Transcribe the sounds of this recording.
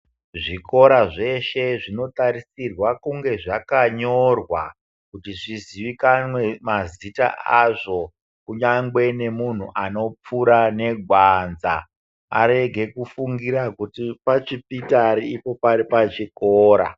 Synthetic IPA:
ʐiko̞ɾaʐe̞ʃe̞ʐino̞taɾisirwakuŋɡe̞ʐakaɲo̞rwa | kutiʐiziʋikanwe̞mazita̰ʔaʐo̞ | kuɲaŋɡwe̞ne̞mun̤ṵʔano̞p͡fuɾane̞ɡʱwanza̰ | a̰ɾe̞ɡʱe̞kufuŋɡiɾakutipat͡ʃipitaɾiipo̞paɾipat͡ʃikoːɾa̰

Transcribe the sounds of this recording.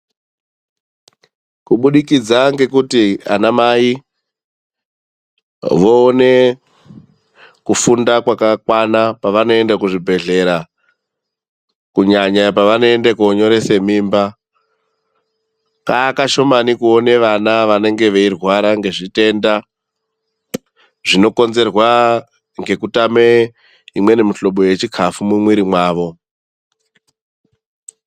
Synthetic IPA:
kuɓuɗikid͡zaŋɡe̞kutia̰namai | ʋo̞ːne̞ | kufundakwakakwanapaʋano̞e̞ndakuʐibʱe̞ɮe̞ɾa | kuɲaɲapaʋano̞endakoːɲo̞ɾe̞se̞miːmba | kaːkaʃo̞manikuone̞ʋanaʋane̞ŋɡe̞ʋeirwaɾaŋɡe̞ʐite̞ːnda | ʐino̞ko̞nze̞rwa | ŋɡe̞kutame | imwe̞ne̞muɬo̞ɓo̞je̞t͡ʃikʰafumumwiɾimwaːʋo̞

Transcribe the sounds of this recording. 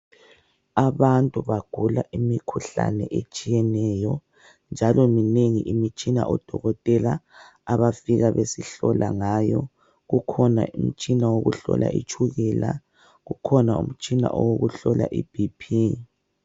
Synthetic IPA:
aβantʼuβaɡ̥ʱulaʔimikʰuɬa̰nɛʔet͡ʃʼijɛnɛjɔ | nd͡ʒʱalɔmineŋḭʔimit͡ʃʼina̰ʔɔd̥ʱɔɣɔtʼɛlaː | βafiɣaβesiɬɔlʔaŋajɔ | ɣukʰɔnaum̩t͡ʃʼinawoɣuɬɔ̰lʔa̰ḭt͡ʃʰʼuɣɛla | ɣukʰɔnaum̩t͡ʃʼina̰ʔɔwoɣuɬɔlʔa̰ʔib̥ʱipʰi

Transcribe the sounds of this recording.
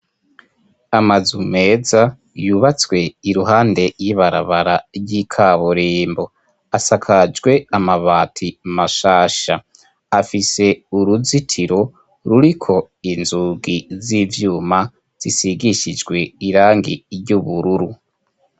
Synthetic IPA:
amazume̞ːza | juβat͡swe̞iɾuɦaːnde̞jiβaɾa̰βaɾaɾɟikʰaβuɾiːmbo̞ | asakʰad͡ʒɡwe̞amaβaːtʰimaʃaːʃa | afise̞uɾuzitʰiɾo̞ | ɾuɾikʰo̞ | inzuɡizivjuːma | z̥isiɡiʃid͡ʒɡwe̞iɾaːŋɡḭɾɟuβuɾuɾu

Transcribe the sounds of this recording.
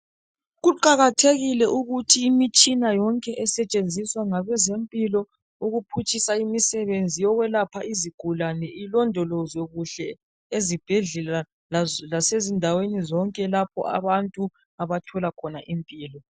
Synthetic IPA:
ɣuǃaɣatʰeɣilɛʔuɣutʰiːmit͡ʃʼinajɔŋkʼɛʔɛsɛt͡ʃʼend͡zʱiswaŋaβɛzempʼilɔ | uɣupʰut͡ʃʼisaimisɛβend͡zʱijɔɣwɛlapʰaiziɡ̥ʱulanɛilɔndʱɔlɔzoɣuɬɛ | ezib̥ʱɛɮɛla | llasezindʱawenizɔŋkʼɛlapʰɔ̰ʔa̰βantʼu | aβatʰɔlakʰɔnaʔimpʼiːlɔ

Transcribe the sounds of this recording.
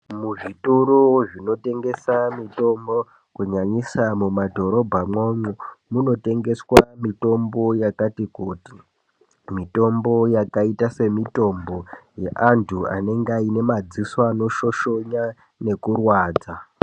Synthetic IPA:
muʐituɾuʐino̞te̞ŋɡe̞samito̞mbo | kuɲaɲisamumadʱo̞ɾo̞bʱamwomumuno̞te̞ŋɡe̞swamito̞mbo̞jakatikuti | mito̞mbo̞jakaitase̞mito̞mbo̞jeʔantʰua̰ne̞ŋɡaine̞mad͡zisoano̞ʃo̞ʃo̞ɲa | ne̞kurwaːd͡za

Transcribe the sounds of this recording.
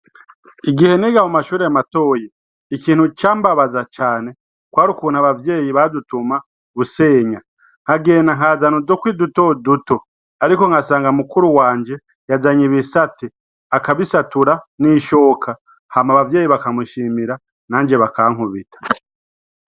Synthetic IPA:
iɡihe̞niɡamumaʃuːɾejamato̞ːje | ikiːn̥hut͡ʃaːmbaβazat͡ʃaːne̞ | kwaːɾukun̥haβavje̞ːjiβadutuma | βuse̞ːɲa | ŋ̥aɡe̞ːnaŋhazanozokwiːduto̞duto̞ | aɾiko̞ŋɡasaːŋɡamukuɾuwaːɲd͡ʒe̞ | jazaɲiβisati | akaβisatuɾaniʃo̞ːkʰa | hamaβavje̞ːjiβakamuʃiːmiɾa | naːɲd͡ʒe̞βakaŋ̥huβitḁ

